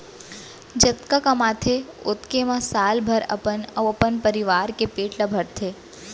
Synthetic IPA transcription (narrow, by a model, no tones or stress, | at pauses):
d͡ʒət̪kakəmat̪ʰeot̪kemãsaːlbʱəɾə̰pənəəpənpəɾiʋaɾkepeːʈləbʱəɽt̪ʰe